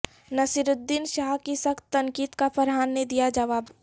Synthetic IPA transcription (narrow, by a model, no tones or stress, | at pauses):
nɐsɪɾʊd̪ːinʃaːɦkisɐkt̪ːɐ̃ŋkiːd̪kapɐɾɦaːnːed̪ijad͡ʒɐʋaːb